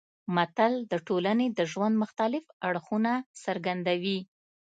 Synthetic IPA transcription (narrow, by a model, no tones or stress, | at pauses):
mat̪ald̪əʈolaned̪əʒwand̪mʊxt̪alɪfaɽxunasəɾɡand̪awi